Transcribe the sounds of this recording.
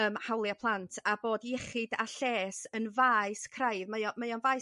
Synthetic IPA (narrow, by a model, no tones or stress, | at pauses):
əːmhawlˠjapʰlˠantʰaboːdjɛχɪdaɬeːsənvajskʰrajðmaɔmajɔnvaj